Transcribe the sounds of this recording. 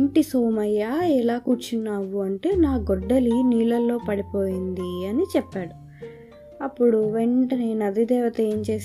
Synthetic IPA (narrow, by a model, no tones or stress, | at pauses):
ɳʈisoːmɐjːaːɛlaːkuːɾt͡ʃinːaːwuɐɳʈe̞ːnaːɡɔɖːɐliniːlɐlːo̞ːpɐɽipo̞ːjind̪iɐnit͡ʃɛpːaːɽu | ɐpːuɽuʋeɳʈɐnenɐd̪id̪ɛːʋɐt̪ɐeːɲt͡ʃe̞ːs